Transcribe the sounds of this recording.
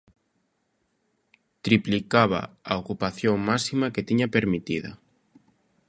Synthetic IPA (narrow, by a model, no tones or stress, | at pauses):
t̪ɾiplikaβa̰aokupaθjoŋmasimaket̪iɲapeɾmit̪iðɐ̰